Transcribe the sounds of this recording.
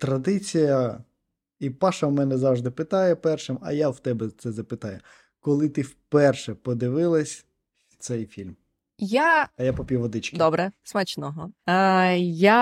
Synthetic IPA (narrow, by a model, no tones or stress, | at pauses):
t̪ɾɐd̪ɪt͡sʲijɐ | ipɑʃɐmɛnɛzɑwʒd̪ɪpɪt̪ɑjɛpɛrʃɪmɐ̰jawt̪ɛbɛt̪sɛzɐpɪt̪ɑjʊ | kɔlˠɪt̪ɪwpɛrʃɛpɔd̪ɪʋɪlˠɐsʲ | wt̪sɛjfʲilʲm | jaɐjapɔpʲuʋɔd̪ɪt͡ʃkʲd̪ɔbɾɛsmat͡ʃnɔɦɔ | ja